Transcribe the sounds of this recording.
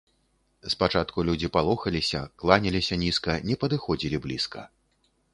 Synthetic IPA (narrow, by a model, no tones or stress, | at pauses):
spat͡ʂat̪kulʲud͡zʲipalˠɔxɐlʲisʲɐ̰klˠanʲɛlʲisʲɐnʲiskɐnʲɛpɐd̪ɨxɔd͡zʲilʲiblʲiskʰɐ̰